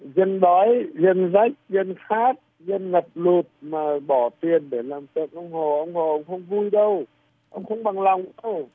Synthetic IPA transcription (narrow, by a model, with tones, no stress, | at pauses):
zə˧nɗɔ˨˦jzə˧nza˦˥jk̚zə˧nxaː˦˥t̚ | zə˧nŋə˨˩p̚lu˨˩t̚maː˨˩ɓɔ˧˩t̪i˨˩ənɗe˧˩laː˨˩mt̪ɨ̰˨nʔə˧wŋ͡mho˨˩ʔə˧wŋ͡mho˨˩ʔə˧wŋ͡mxə˧wŋ͡mvu˧jɗə˧w | ʔə̰˧wŋ͡mxə˧wŋ͡mɓa˨˩ŋla˨˩wŋ͡mə˧w